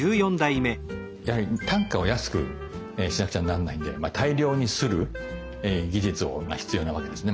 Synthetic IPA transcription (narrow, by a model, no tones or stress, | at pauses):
ɨːjõnd̪aime̞ | jahaɾʲit̪ʰãŋkao̞jasɨ̥kɯ̟̰ | eɕinakɯ̟t͡ɕaananːa̰ĩnd̪e̞mat̪ʰaiɾʲo̞ːɲ̟isɨɾɯ̟ | eɡʲiʑit͡sɨo̞̰ma̰çi̥t͡sɨjo̞ːnaβake̞d̪e̞sɨne